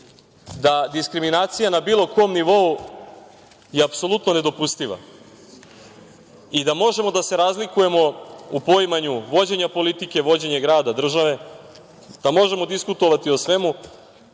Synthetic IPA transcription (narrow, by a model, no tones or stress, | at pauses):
d̪ad̪iskɾiminaːt̪sijanabiːlˠo̞komniʋo̞u | jeapso̞lˠut̪no̞ne̞d̪o̞pust̪iʋa̰ | id̪amo̞ʒe̞mo̞d̪ase̞ɾazlikuje̞mo̞upo̞jmaɲuʋo̞d͡ʑe̞ɲapo̞lit̪ike̞ʋo̞d͡ʑe̞ɲe̞ɡɾaːd̪ad̪r̩ʒaʋe̞ | d̪̥amo̞ʒe̞mo̞d̪iskut̪o̞ʋat̪io̞sʋe̞mu